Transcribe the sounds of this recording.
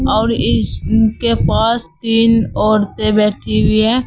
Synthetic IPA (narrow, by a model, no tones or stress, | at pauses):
ɔːɾɪkepaːst̪iːnoːɾt̪ebɛːʈʰiwiɛː